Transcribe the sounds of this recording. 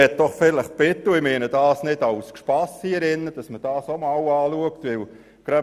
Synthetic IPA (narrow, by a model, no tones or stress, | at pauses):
ɛt̚d̥ɔχfɪləχb̥ɪt̪əɪmeːnəd̥ɑːsnɪd̥ɑwskʃpɑsiɛɾɪnːəd̥ɑsməd̥ɑːsomɑːwɑːluəktʋɪl | ɡ̥ɾœ